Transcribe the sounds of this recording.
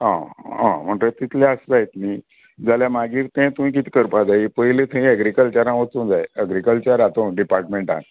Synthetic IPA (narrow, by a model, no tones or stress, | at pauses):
ɦãɦã̰m̤əɳʈət̪it̪ʰleəsd͡zajt̪ni | d͡zaljamaɡiːɾt̪ɛ̃t̪umĩːk̬it̪ʰi̥kəɾpad͡zaipəɦilet̪ʰəĩəɡɾikəlt͡ɕəɾãʋət͡sũnd͡zajəɡɾikəlt͡ɕəɾat̪õɖipaɾʈmẽɳʈã̰n